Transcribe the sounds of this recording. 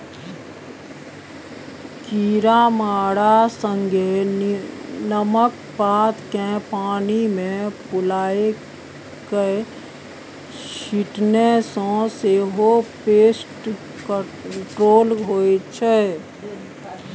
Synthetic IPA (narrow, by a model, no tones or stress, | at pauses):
kiːɾamaːɽasə̃ŋɡʱe | nəmək | paːt̪kẽpaːnimẽpʊlaːe | ke | ʃʃiʈnesõseɦopeːsʈ | k | ʈɾoːlɦoːet͡ʃʰeː